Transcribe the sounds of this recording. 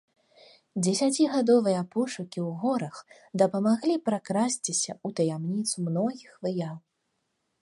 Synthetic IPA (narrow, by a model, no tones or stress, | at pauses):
d͡zʲɛsʲat͡sʲiɣad̪ɔvɨjɐpɔʂukʲiwɣɔɾɐx | d̪ɐpɐmaɣlʲipɾakɾasʲt͡sʲisʲɐut̪ɐjamnʲit̪sumnɔɣʲixvɨjaw̪